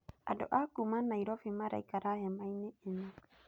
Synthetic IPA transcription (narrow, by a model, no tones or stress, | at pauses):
a̰do̰ʔakumanːaiɾofimaɾa̰jkaɾahemajnɛena